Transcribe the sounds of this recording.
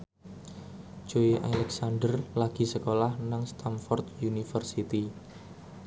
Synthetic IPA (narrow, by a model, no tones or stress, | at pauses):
d͡ʒ̥oiʔalɛksanɖərlaɡ̥i̤səkolahnaŋst̪amfɔrt̪̚junifərsit̪i